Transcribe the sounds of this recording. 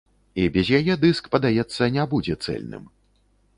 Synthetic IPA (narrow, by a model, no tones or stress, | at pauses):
ibʲɛzʲjajɛd̪ɨskpɐd̪ajɛt̪sːɐnʲabud͡zʲɛt̪sɛ̰lʲnɨ̰m